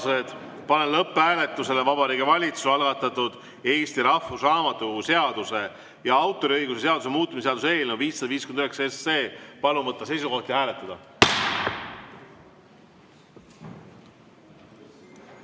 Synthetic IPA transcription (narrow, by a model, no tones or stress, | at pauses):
set̪ | pɑnenlɤpːeæːle̞t̪ːˑuse̞levɑbɑɾiːɡivɑlʲit̪susɑlɡɑt̪ːˑɑt̪ːud̪̥ | e̞ːst̪iɾɑfusrɑːmɑt̪ːˑuse̞ɑd̪̥use̞ | jɑɑwt̪ːˑo̞ɾiɤ̞jɡ̥usese̞ɑd̪us̬emuːt̪ːˑumiseɑd̪use̞ːlnuviːsːɑd̪ɑviːskyenyheksesːe̞ːpɑluvɤt̪ˑːɑse̞jsuko̞ht̪jɑɦæːlet̪ːˑɑd̪̥ɑ